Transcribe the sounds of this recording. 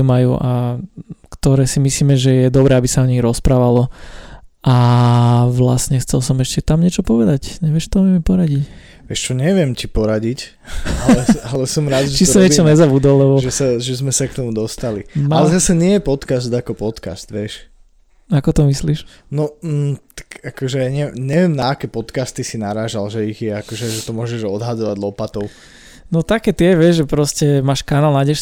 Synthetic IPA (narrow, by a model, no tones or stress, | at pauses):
umajṵːʔa | kt̪ɔɾɛːsimisliːmɛʒɛjɛd̪ɔbɾɛːabisaɔɲiɣɾɔspɾaːʋalɔ | ʔa | ʋla̰sɲɛxt͡sɛlsɔmɛʃcɛt̪amɲɪɛt͡ʃɔpɔʋɛd̪acɲɛʋɪɛʃt̪ɔʋɪɛmipɔɾaɟic | ʋɛʃt͡ʃɔɲɛʋɪɛmcipɔɾaɟic | alɛalɛsɔmɾad̪ʒɛt͡ʃisɔmɲɛt͡ʃɔɲɛzabud̪ɔlːɛbɔʒɛsaʒɛzmɛsakt̪ɔmud̪ɔst̪alimalɛzasɛɲɪɛjɛpɔt̪kasd̪akɔpɔt̪ka̰st̪ʋɪɛʃ | akɔt̪ɔmisliʃ | nɔt̪ḁkakɔʒɛɲɛɲɛʋɪɛmnaːkɛpɔt̪kast̪isinaɾaːʒalʒɛiɣjɛakɔʒɛʒɛt̪ɔmʊɔʒɛʒɔd̪ɦad̪ɔʋaɟlɔpat̪ɔʊ | nɔt̪akɛːt̪iɛʋɪɛʒʒɛpɾɔscɛmaːʃkanalnaɟɛʃ